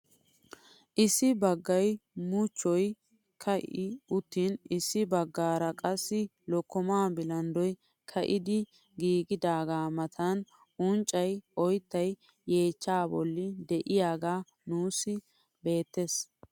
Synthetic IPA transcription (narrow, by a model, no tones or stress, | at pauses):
ʔɪsːɪbɐɡːɐjmʊt͡ʃːɔj | kʰɐʔɪʊt̪ːinɪsːɪbɐɡːaːɾɐkʼɐsːɪ | lɔkːɔmaːbɪlɐnd̪ɔj | kʰɐʔɪd̪ɪ | ɡiːɡɪd̪aːɡaːmɐt̪ʰɐn | ʔʊnt͡ʃʼːɐjɔjt̪ːɐj | je̞ːt͡ʃːaːbɔ̰lːɪd̪ɛʔɪjaːɡaː | nuːsɪ | be̞ːt̪ːes